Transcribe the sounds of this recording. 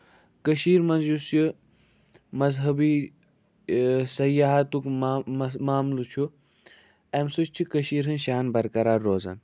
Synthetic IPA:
kəʃiːɾmɐnzjusju | mɐzɦɐbi | sɐjaɦat̪uk | maːmlut͡ʃʰu | emsut͡ʃt͡ʃʰikɐʃiːɾɦɨnʃaːnbɐɾkɐɾaːɾːoːzɐ̰n

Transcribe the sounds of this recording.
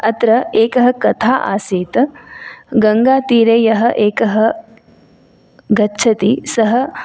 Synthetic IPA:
ɐt̪ɾɐeːkɐɦɐkɐt̪ʰaːʔa̰ːseːt̪ɐ | ɡɐŋɡaːt̪iːɾeːjɐɦɐ̆ʔeːkɐɦɐ | ɡɐtːʃʰɐt̪isɐɦɐ̆

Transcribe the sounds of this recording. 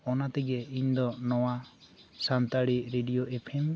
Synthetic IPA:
ɔnat̪iɡɛiɲd̪ɔnɔwa | sant̪aɽiɾeɖijoʔepʰem

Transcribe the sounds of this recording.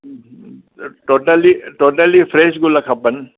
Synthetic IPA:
ʈoːʈəliʈoːʈəlifɾeːʃɡʊlɐkʰɐpən

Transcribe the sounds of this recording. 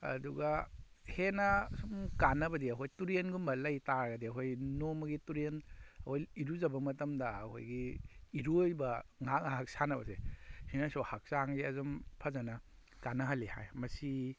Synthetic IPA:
ɐ̰duɡahenɐsumkanːɐbɐdiɐɦojtuɾenɡumbɐlɐjtaɾɡɐdiɐɦojnomɐɡituɾenɐhojiɾuzɐbɐmɐtɐmdɐɐho̰jɡiːɾojbɐŋak̚aɦak̚sanɐbɐsehinasohak̚saŋziɐzɔmpʰɐzɐnɐ | kanɐɦɐliha̰jmɐsi

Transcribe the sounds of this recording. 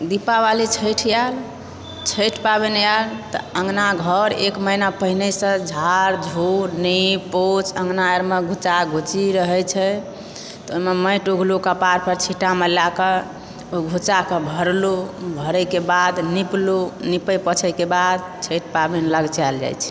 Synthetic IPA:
d̪ipaβalit͡ʃʰəjʈʰjal | t͡ʃʰəjʈʰpabɛnjalt̪ɔ̰əŋnaɡʱəɾekməɦinapəɦinesə̃d͡ʒʱaɾd͡ʒʱoɾnipot͡ʃə̃ŋɡnajəɾmeɡʱut͡ʃaɡʱut͡ʃiɾəɦɛt͡ʃʰɛ | t̪omeməjʈuɡʱlukəpaɾpəɾt͡ʃʰiʈamelakə | oɡʱut͡ʃakəbʱəɾlobʱəɾəkebad̪niplonipəjpət͡ʃʰəjkebad̪̚ | t͡ʃʰəjʈ̚ʰpabenləɡt͡ʃald͡ʒa̰jt͡ʃʰɛ̥

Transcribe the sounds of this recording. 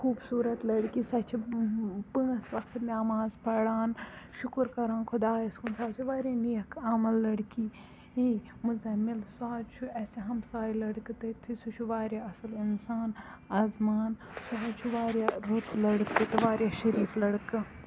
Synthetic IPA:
kʰuːbsuːɾɐt̪lɐɽkisɐt͡ʃʰipɨɐsʋɐkt̪naːmaːzpɐɽaːnʃʊkɾkɐɾãːnkʰʊd̪aːɐskunsaːt͡ʃʰiʋaːɾʲenijɐkamɐlːɐɽki | imuzɐmilswaːt͡ʃʰuɛseɦɐmsaːilɐɽkɨt̪ɐt̪ʰisut͡ʃʰuʋaːɾjaɐsɐlinsaːnaːzmaːnsɐɦat͡ʃʰuʋaːɾjaɾut̪lɐɽkːɨt̪ɨʋaːɾjaːʃɐɾiːflɐɽkɨ

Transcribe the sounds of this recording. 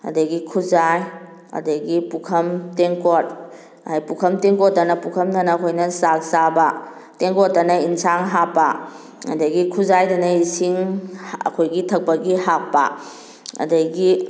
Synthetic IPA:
ɐ̰dɐɡikʰuzaj | ɐ̰dɐɡipukʰɐmteŋkot̚ | ajpukʰɐmteŋkotːɐnɐpukʰɐmnɐnakʰojnɐsak̚saba | teŋkot̚ːɐnɐinsaŋɦapːa | ɐ̰dɐɡikʰuzajdɐnɐisiŋɐ̰kʰojɡitʰɐk̚pɐɡiɦak̚pa̰ | ɐ̰dɐɡi

